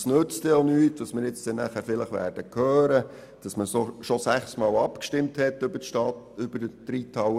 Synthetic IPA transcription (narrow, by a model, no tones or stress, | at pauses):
snøt͡stɛonyːtʋɑsmɪːɾjɪt͡sd̥ɛnæːχæːɾfɪləχʋæ̰ːɾd̥əkʰhœːɾə | d̥ɑsməsoʃɔsæχsmɑːlɑpkʃtɪmthɛtːʏbəʃtɑt | ʏb̥əɾd̥ɾitʰɑw